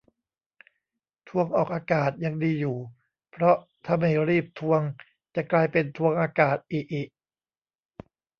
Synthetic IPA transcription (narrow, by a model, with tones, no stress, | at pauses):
t̪ʰu˧əŋʔɔː˨˩k̚ʔaː˧kaː˨˩t̪̚ja˧ŋdiː˧juː˨˩ | pʰɾɔ˦˥t̪ʰaː˥˩ma˥˩jɾiː˥˩p̚t̪ʰu˧əŋ | t͡ɕa˨˩klaː˧jpe˧nt̪ʰu˧əŋʔaː˧kaː˨˩t̪̚ʔiː˨˩k̚ʔiː˨˩k̚